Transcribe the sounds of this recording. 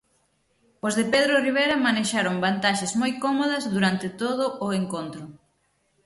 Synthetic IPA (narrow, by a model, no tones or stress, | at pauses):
ozðepeðɾoriβ̞ejɾɐmaneʃaɾoŋbant̪aʃezmojkɔmoð̞ɐzðuɾant̪ɪt̪oð̞ʊʔʊeŋkont̪ɾʊ